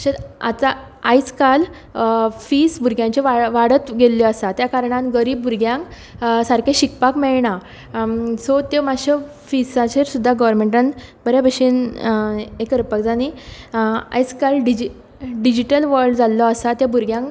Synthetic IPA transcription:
ɕeat̪a | ajt͡skal | fisbuɾɡjãɲt͡ɕeʋaʋaɽət̪ɡeljɔəsat̪jakaɾɳãnɡəɾiːb̚buɾɡjãŋk | saɾkẽɕikpakmɛɭɳa | sɔt̪emaɕə | fisãt͡ɕeɾsud̪ʱːaɡəʋəɾmẽɳʈãnbəɾjabʱəɕiːn | ekəɾpəkd͡zani | a̰jt͡skalɖid͡ʑi | ɖid͡ʑiʈəlʋəɾɖd͡zalːɔasat̪jabuɾɡjãŋk

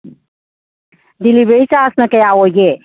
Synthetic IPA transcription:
d̪ilibeit͡ʃasnəkejaoje

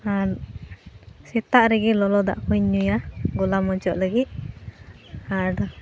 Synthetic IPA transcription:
a | sɛt̪aʔɾɛɡilɔlɔd̪a̰ʔkuɲɲujaɡɔlamɔd͡ʒɔʔləɡit̪̚ | aɖɔ

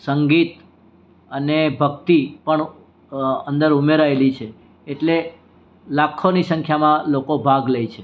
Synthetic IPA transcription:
səŋɡit̪ | ənebʱəkt̪ipəɳ | ənd̪əɾumeɾaelit͡ʃʰeː | ʈle | lakʰːonisə̃ŋkʰjamãlokobʱaɡlejt͡ʃʰe

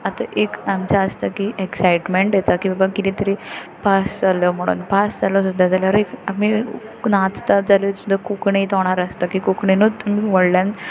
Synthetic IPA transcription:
at̪aʔekamt͡ɕaəst̪akiʔeksajʈmeɳʈjɛt̪akibabakit̪ĩt̪əɾipasd͡zaljɔm̤əɽ̃ṵːnpasd͡zalɔsud̪ʱːad͡zaljaɾekaminãt͡st̪ad͡zalosud̪ʱakukɳet̪ɔɽ̃aɾəst̪akikukɳenuːt̪umiʋəɽljan

